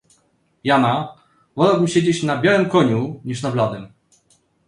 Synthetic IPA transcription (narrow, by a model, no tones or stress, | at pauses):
jana | vɔlawbɘmɕed͡ʑet͡ɕnabʲjawɘmkɔɲuɲiʂnablad̪ɛm